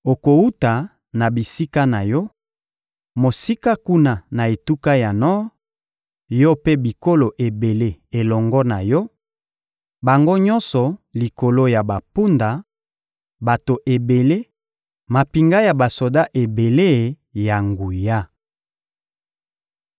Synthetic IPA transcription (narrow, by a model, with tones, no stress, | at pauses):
o˨ko˨u˦ta˨ | na˨bi˨si˦ka˦na˨jɔ˦ | mo˨si˦ka˦ku˦na˨na˨e˨tu˦ka˦ja˨nɔ˦ | jɔ˦pe˦bi˨ko˦lo˨ʔe˨be˨le˦e˨lɔ˨ŋɡɔ˦na˨jɔ˦ | ba˨ŋɡo˦ɲɔ̃˦nsɔ˨li˨ko˨lo˦ja˨ba˨pu˦nda˨ | ba˨to˨ʔe˨be˨le˦ | ma˨pi˨ŋɡa˦ja˨ba˨so˨da˦ʔe˨be˨le˦˨ | ja˨ŋɡu˨ja˦